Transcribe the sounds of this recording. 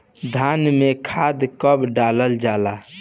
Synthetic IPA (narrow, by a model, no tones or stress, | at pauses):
d̪ʱanmekʰad̪kəbɖaləld͡ʒala